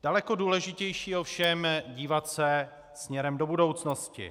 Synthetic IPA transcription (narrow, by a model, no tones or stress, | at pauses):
d̥alɛkoduːlɛʒɪcɛjʃiːofʃɛmɟiːvat̪sɛ | smɲɛɾɛmdo̞budo̞wt͡sno̞scɪ̰